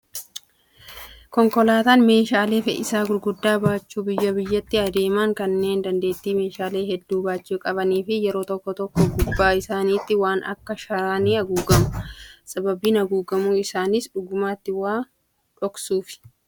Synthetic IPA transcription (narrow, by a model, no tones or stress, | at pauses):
kɔŋkɔlaːt̪aːnme̞ːʃaːle̞ːfɛ̰ʔɪsaːɡʊɾɡʊd̪ːaːbaːt͡ʃːuːbɪjːɐbɪjːɐt̪ːɪɐd̪e̞ːmaːŋkɐnːe̞ːnd̪ɐnd̪e̞ːt̪ːiːme̞ːʃaːle̞ːɦɛd̪ːuːbaːt͡ʃːɪkʼɐβɐniːfɪjɛɾo̞ːt̪ɔkːɔt̪ɔkːɔɡʊbːaːɪsaːniːt̪ːɪwaːnɐ̰kːɐʃɐɾaːniːɐɡuːɡɐmʊsʼɐbɐbiːnɐɡuːɡɐmuːɪsaːnɪsᶑʊɡʊmaːt̪ːɪwaː | ᶑɔksuːfɪ̥